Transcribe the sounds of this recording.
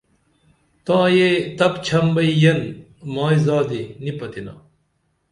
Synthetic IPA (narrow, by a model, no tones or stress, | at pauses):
t̪ãːjet̪ɐpt͡ɕʰɐmbɐijɐn | mãːizaːd̪enipɐt̪ina̰ː